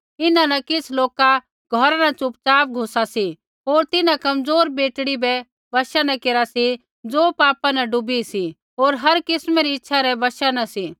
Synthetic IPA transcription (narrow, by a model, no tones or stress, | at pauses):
ɪnãnɐkɪsʰloːka | ɡʱɔɾanɐt͡ʃʊpt͡ʃaːp̚ɡʱoːsasi | ɦoːɾt̪ɪnãkɐmd͡zoːɾbeːʈɽibɛ | bɐʃanɐkeːɾasi | d͡zoːpaːpanɐɖʊbisi | ɦoːɾɦɐɾkɪsmɛɾiɪtːʃʰaɾɛbɐʃanɐsi